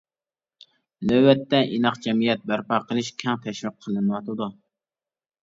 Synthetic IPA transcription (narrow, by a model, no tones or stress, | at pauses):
nøwɛt̪ːɛʔinɑqd͡ʒɛmijɛt̪̚bæɾpɑqəlˠɨʃkʲʰɛŋt̪ʰɛʃwɨqʰːəlˠɨnɨwɑt̪ʰɨd̪u